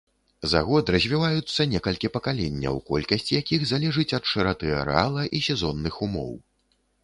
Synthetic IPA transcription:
za̰ɣɔd̪rɐzʲvʲivajut̪sːɐnʲɛkɐlʲkʲipɐkalʲɛnʲːɐ̰wkɔ̰lʲkɐsʲt͡sʲijakʲiɣzalʲɛʐɨt͡sʲɐt̪ʂɨɾat̪ɨɛ̰ɾa̰lˠɐʔisʲɛzɔnːɨxumɔ̰w

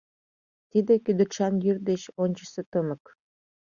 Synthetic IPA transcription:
t̪id̪ekyd̪ə̆ʃɑnjyrd̪eɕonʲt͡ɕə̥set̪əmə̆k

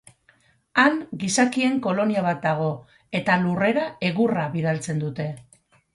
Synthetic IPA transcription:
aŋɡisakie̞ŋko̞lo̞niaβat̪̚d̪aɣ̞o̞ | e̞t̪alure̞ɾae̞ɣuraβið̞alt͡se̞nd̪ut̪e̞

